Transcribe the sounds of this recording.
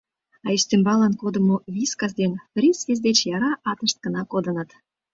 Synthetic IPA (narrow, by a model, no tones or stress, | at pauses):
ɑist̪embɑlɑnkod̪ə̆movʲiskɑzd̪enfrʲisvʲezʲd̪et͡ɕjɑɾɑʔɑt̪ə̆ʃt̪̚kə̆nɑkod̪ə̆nət̪